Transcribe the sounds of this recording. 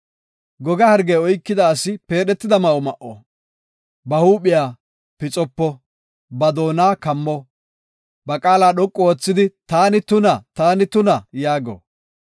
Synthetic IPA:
ɡɔɡɐhɐɾɡejɔjkːɪd̪ɐːsɪpe̞ːɗɛt̪ːɪd̪ɐmɐɔmɐʔɔ̰ | bɐhuːɓɪjaː | pɪt͡sʼɔpːɔ | bɐd̪o̞ːnaːkɐmːɔ | bɐkʼaːlaːɗɔkʼːɔoːt͡sːɪd̪ɪt̪aːnɪt̪ʊnɐt̪aːnɪt̪ʊnɐjaːɡɔ̰

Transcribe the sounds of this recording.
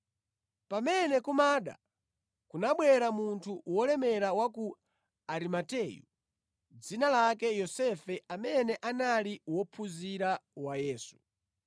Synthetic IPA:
pamɛnɛkumaːɗa̰ | kunaɓwɛɾamuntʰuwɔlɛmɛɾawaku | aɾimatɛːjṵ | d͡zinalakɛjɔsɛfɛʔamɛnɛʔanaliwɔpʰuziɾawajɛːsu̥

